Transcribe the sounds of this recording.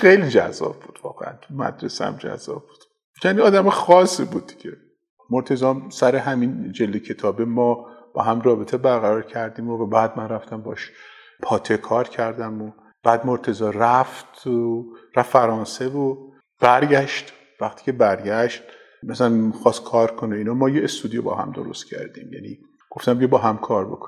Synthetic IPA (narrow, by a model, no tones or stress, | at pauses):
xejlid͡ʒæ̰zːɒ̰b̥buːd̪̥vɒ̰ːɣḛæ̰nt̪mæ̰d̪ɾesæ̰md͡ʒæ̰zːɒ̰ːb̚b̥u̥d̪̥ | jæniɒːd̪æmɒxɒːsːibuːd̪̚ːiɟ̥ʲe | moɾt̪ʰe̞zɒːmsæɾeɦæmind͡ʒeld̪ecʰe̞t̪ʰɒːbemɒːb̥ɒ̰ːɦæmrɒːbet̪ʰebæɾɣæɾɒːɾcʰæɾd̪iːmovæbæːd̪mænræft̪æmbɒːʃ | pʰɒːt̪ʰe̞kʰɒːɾcʰæɾd̪æmo | b̥æːd̪moɾt̪ʰe̞zɒːræft̪ʰ | ɾæffæɾɒːnse̞vo | b̥æɾɟæʃt̪ | væχt̪ʰi̥ːcʲʰe̞bæɾɟæʃt̪̚ | mæsælænxɒːst̪̚kʰɒːɾkʰoneiːnɒmɒːjeest̪uːd̪ibɒ̰ːhæ̰md̪o̰ɾo̰st̪cʲʰæ̰ɾd̪ḭːmjæ̰nḭ | ɡ̥o̞ft̪æmcʰebɒːɦæmkʰɒːɾbo̞̰kʰo